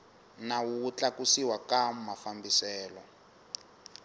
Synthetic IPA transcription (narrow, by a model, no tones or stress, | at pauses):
nawut͡ɬakusiwakammafambisɛːlɔ